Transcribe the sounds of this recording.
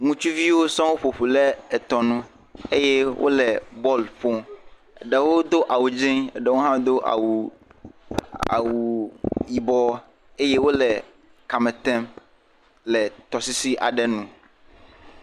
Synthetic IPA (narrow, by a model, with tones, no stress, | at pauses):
ŋũ˦t͡ʃu˦vi˦wo˦sã˦wo˦ɸo˨ɸu˨lɛ˦ɛ˨t̪ɔ˨nũ˦ | e˦jɛ˦wʔo̰˦lɛ˨bɔ˦lɸo˦ | ɛ˨ɖɛ˨wo˦d̪o˦ʔa˨wu˨d͡ʒĩ˦ŋɛ̰˨ɖɛ˨wo˦ɦã˦d̪o˦ʔa̰˨wu˨ | a̰˨wu˨ji˨bɔ˦ | e˦je˦wo˦lɛ˨ | ka˨mɛ̃˨t̪ɛ̃˦m | lɛ˨t̪ɔ˨si˦si˦ʔa̰˨ɖɛ˦nũ˦